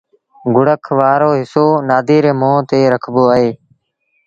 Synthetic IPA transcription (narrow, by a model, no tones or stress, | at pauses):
ɡʊɽəkʰʋaːɾoːɦɪsoːnaːd̪ʱiːɾeːmõːt̪eːɾəkʰboːaɦeː